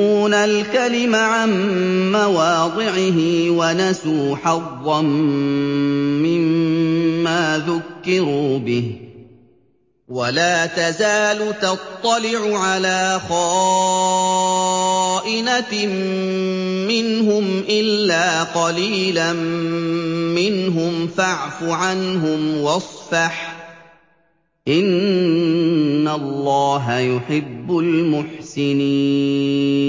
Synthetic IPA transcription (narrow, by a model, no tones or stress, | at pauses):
uːnalkalɪmaʕanːawɑːd̪ˤɪʕɪɦɪwanasuːħɑðˤːɑn | ɪmː | aːðʊkːɪɾuːbɪh | walaːt̪azaːlʊt̪ɑt̪ˤːɑlɪʕʊʕalaːxɑː | ʔɪnam | mɪnɦʊmʔɪlːaːqɑliːlam | mɪnɦʊmfaʕfʊʕanɦʊmwɑsˤfaħ | ʔɪn | alːɑːɦajʊħɪbːʊlmʊħsɪniː | n